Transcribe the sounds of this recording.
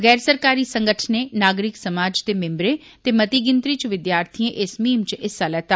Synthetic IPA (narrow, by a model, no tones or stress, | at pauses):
ɣɛːɾsəɾkaːɾiːsə̃ŋɡəʈʰneːnaːɡɾɪksəmaːd͡ʒt̪eːmẽmbɾẽː | t̪eːmət̪iːɡɪnt̪ɾiːt͡ʃʋɪd̪jaːɾt̪ʰiẽʔɪsmiːmt͡ʃɪsaːlɛːt̪aː